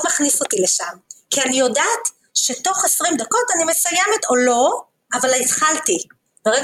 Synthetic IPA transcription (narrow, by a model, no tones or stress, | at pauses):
maχniso̞tile̞ʃamkianijo̞daːt | ʃe̞to̞χesʁimdako̞tanime̞sujeme̞to̞lo̞ | avalit̪χalti | b̥eʁeɡ